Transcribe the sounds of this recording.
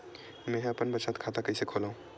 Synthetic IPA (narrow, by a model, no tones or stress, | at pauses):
mɛ̃ɦəpənbət͡ʃat̪kʰat̪akəɪsekʰolaɦũ